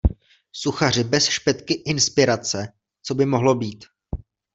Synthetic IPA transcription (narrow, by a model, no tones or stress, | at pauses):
suxar̝ɪbɛsʃpɛt̪kɪʔɪnspɪɾat͡sɛ | t͡so̞bɪmo̞ɦlo̞biːt̪